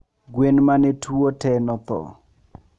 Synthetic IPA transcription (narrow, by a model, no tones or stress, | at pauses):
ɡwenmanɛtʰuotɛnɔt̪ɔ̰